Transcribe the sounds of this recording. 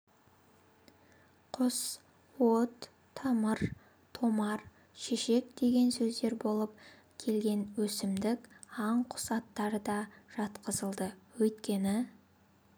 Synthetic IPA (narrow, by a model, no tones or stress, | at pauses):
qʰʊs | wot̪ʰː | ɑməɾ | t̪ʰo̞mɑɾ | ʃeʃe̞k̚d̪e̞ɡʲe̞nsɵzd̪e̞ɾbo̞lˠəp̚ | kʲʰe̞lɡʲe̞nwɵsɪmd̪ɪkɑɴqʰʊ̥sɑt̪ːɑɾəd̪ɑʒ̥ɑt̪qəzəlˠd̪əwɵjt̪kʲe̞nɪ